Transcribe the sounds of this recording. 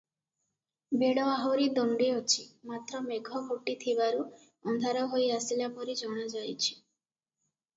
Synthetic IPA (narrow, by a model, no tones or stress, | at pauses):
beɽɔaɦoɾid̪ɔɳɖeɔt͡ʃʰimat̪ɾɔmeɡʱɔboʈit̪ʰibaɾu | ɔnd̪ʱaɾɔɦojasilapɔɾid͡ʒɔɽ̃ɔd͡ʒajt͡ʃʰi̥